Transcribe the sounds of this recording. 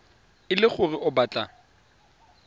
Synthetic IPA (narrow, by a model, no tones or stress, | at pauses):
ɪlɪχʊrɪʔʊbaːt͡ɬʼa